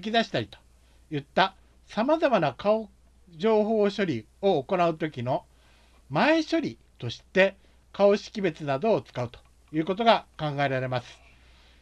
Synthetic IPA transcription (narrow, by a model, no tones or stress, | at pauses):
k̬ʲid̪aɕi̥t̪aɾʲit̪o̥ | jɯ̟t̪ːa | samazamanakʰao | d͡ʑo̞ːɦo̞ːɕo̞ɾʲio̞ːko̞naɯ̟t̪o̞kʲino̞ | maeɕo̞ɾʲi | t̪o̞ɕi̥t̪e̞ | kao̞ɕi̥kʲibe̞t͡sɨnad̪o̞ːt͡sɨ̥kaɯ̟t̪o̥ | jɯ̟ːko̞t̪o̞ɡakãŋɡae̞ɾaɾe̞masɨ̥